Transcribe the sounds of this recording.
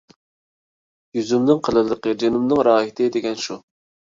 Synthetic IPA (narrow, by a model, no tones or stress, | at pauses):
jyzymnɨŋqʰəlˠɨlˠəqəd͡ʒenumnɨŋɾɑːɦit̪ʰɨd̪eɡʲɛnʃu